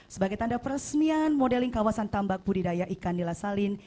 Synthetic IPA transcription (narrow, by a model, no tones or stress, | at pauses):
səbaɡajt̪andapəɾəsənianmodɛlɪŋkawasant̪ambak̚pudidajaʔikanːilasalɪn